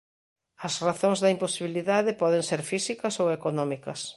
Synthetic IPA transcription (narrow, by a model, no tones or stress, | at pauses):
ɐsraθõŋzðɐimposiβiliðaðɪpɔðẽŋseɾfisikɐsowekonɔmikɐs